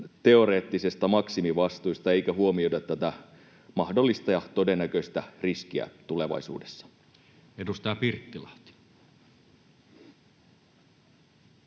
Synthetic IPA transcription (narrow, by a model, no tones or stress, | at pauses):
t̪e̞o̞ɾe̞ːt̪ːisest̪ɑmɑksimiʋɑst̪uist̪ɑeijkæɦuomiodɑt̪ːæt̪æ | mɑhdo̞lːist̪ɑjɑt̪o̞denːækøist̪æriskiæ̰t̪ule̞ʋɑ̰isṵːdesːɑ̥ | edust̪ɑːpirt̪ːilɑht̪i̥